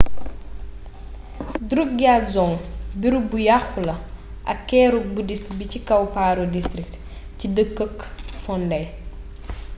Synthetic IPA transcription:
dɾuk̚ɡaːtzɔŋbiɾubujaxulɐ | ʔɐ̰kːɛːɾubudistbicikɐwpaːɾodistɾik̚t | cidəkːəkːfɔndɐj

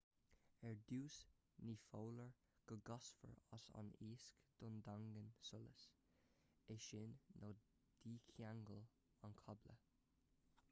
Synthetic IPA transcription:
ɛɹd̪uːs | niːfoːləɹ | ɡ̥əɡɑsfə̰ɹa̰sa̰niːskd̪̥ʊnd̪aŋɡənsʊlə̰s | ɛʃɪnːoː | d̪̥iːkʰjaŋɡəl | ankʰɔblə̰

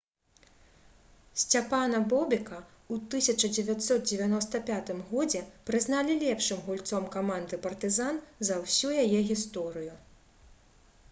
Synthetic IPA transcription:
sʲt͡sʲapanɐbɔbʲɛkɐ | ut̪ɨsʲɐt͡ʂɐd͡zʲɛvʲat̪ʲsɔt̪̚d͡zʲɛvʲanɔst̪ɐpʲat̪ɨmɣɔd͡zʲɛpɾɨznalʲilʲɛpʂɨmɣulʲt̪sɔmkamand̪ɨpɐrt̪ɨzanzɐwsʲujajɛɣʲist̪ɔɾɨju

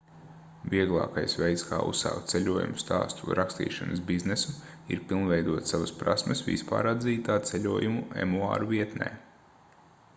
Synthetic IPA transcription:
viɛɡlˠɑ̰ːkajsʋɛjt̪skʰa̰ːṵsːa̰wkt̪t̪selʲuɔjṵmust̪a̰ːst̪uɾʔakst̪ḭːʃanɐsbiznesu | ḭɾpilˠnvɛjd̪uɔt̪saʋɐspɾasməsʋḭspa̰ːɾad̪ziːt̪aːt̪selʲuɔjumuḛmua̰ːɾuviɛt̪nɛ̰ː

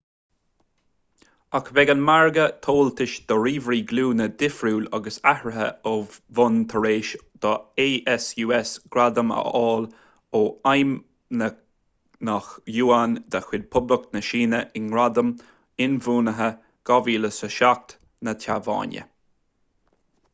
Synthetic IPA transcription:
akʰvɛɡanmaɹɡət̪ʰoːlt̪ʰɪʃd̪̥əɾiːvɾiːɡluːnəd̪ɪfɾuːlaɡəsahɹəɦə̰ovʊnt̪ʰəɾeːʃd̪̥ɔeːʔɛsjuːɛsɡ̥ɾad̪əmə̰ʔɔːl | oːajm | nə | naxjuːand̪əxwɪd̪̚pʰʊbləknəʃiːnəʔɪnɡɾad̪əm | ɪnvuːnəɦə | ɡ̥ɑviːləsəʃak̚t̪ | nət̪ʰavɑ̰ːnʲjə̰

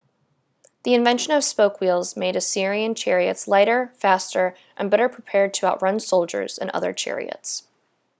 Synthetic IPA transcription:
ðiɨ̃ɱvɛ̃nʃɨ̃nʌv̥spoʊkwilˠzmeɪɾɨsɪɹiɨ̃nt͡ʃʰɛɹiɨ̰tslaɪɾə˞fæstə˞ | ʔɨ̃nbɛɾə˞pʰɹ̥ipʰɛɹd̚tʰɨaʊʔ̚ɹʌ̃nsoʊlˠd͡ʒə̰˞z̥ɨ̰̃nʌ̰ðə̰˞t͡ʃʰɛ̰ɹḭɨ̰ts

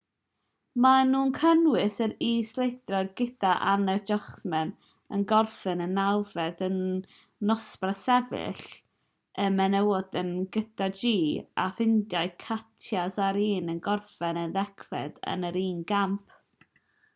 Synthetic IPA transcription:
manuːnkʰənwɪsəɾiːslˠejdrɔjɡɪdaʔanəd͡ʒɔχsmɛn | ənɡɔrfɨnənawvɛdənː | ɔsprasɛvɪ̰ɬ | ʔəmɛnɛwɔd̥ənɡədad͡ʒiːa̰fɪndjajkʰatʰjasaɾiːnənɡɔrfɛnənðɛkʰvɛ̰d̥ə̰nəɾiːnɡamp̚ʰ

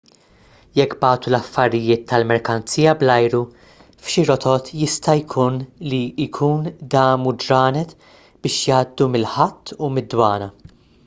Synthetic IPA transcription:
jɛkːbɐːt̪ulɐfːɐɾɪjɪːt̪ʰːɐlmɛɾkɐnt͡sijɐblɐjɾu | fʃiɾɔt̪ʰɔt̪jɪst̪ɐjkʰuːnlikʰuːnd̪ɐːmud͡ʒɾɐːnɛt̪ | b̥ɪːʃjɐːd̪ːumɪlħɐt̪ːumɪd̪ːwɐːnɐ

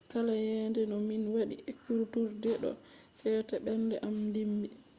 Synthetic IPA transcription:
kalajɛndɛnɔminwaɗiɛkːuɾtuɾdɛɗɔ̰ | sɛtaɓɛndɛʔamdimbi

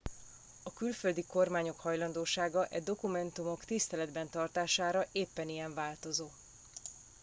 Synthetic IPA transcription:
ɒkylfø̞ld̪iko̞rmaːɲo̞khɒjlɒnd̪oːʃaːɡɒʔɛd̪o̞kumɛnt̪umo̞kt̪ist̪ɛlɛd̪bɛnt̪ɒrt̪aːʃaːɾɒʔeːpːɛnijɛɱvaːlt̪o̞zoː

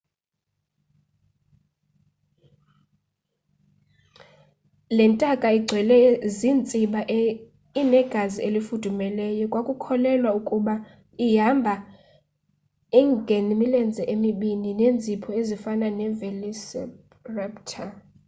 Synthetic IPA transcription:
lɛntʼakʼaiɡ͡ǀʱwɛlɛziːnt͡sʼiɓaʔ | inɛɡ̥ʱazielifud̥ʱumɛlɛjɔkʼwakʼukʰɔlɛlwaukʼuɓa | iɦambʱa | ɛŋɡʱenimilɛnd͡zʱɛʔemiɓininend͡zʱipʰɔezifananɛvelisɛ̰ | rɛptʰa

